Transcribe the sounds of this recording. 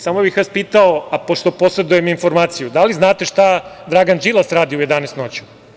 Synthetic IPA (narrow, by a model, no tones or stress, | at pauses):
saːmobixʋaːspiːt̪aoapoʃt̪o̞po̞sed̪ujeminfo̞ɾmaːt̪sijud̪aliznaːt̪eʃt̪ad̪ɾaɡand͡ʒilˠasɾaːd̪ioujed̪anest̪not͡ɕu̥